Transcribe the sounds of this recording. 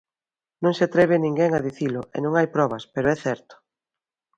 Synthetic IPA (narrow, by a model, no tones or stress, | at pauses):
nõŋseat̪ɾɛβ̞ɪnĩŋɡɛŋaðiθilʊʔɛ̰nõŋajpɾɔβɐspeɾʊɛθɛɾt̪ʊ̥